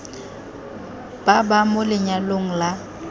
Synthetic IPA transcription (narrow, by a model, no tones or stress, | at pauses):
b̥abamʊlɪɲaloŋ̩la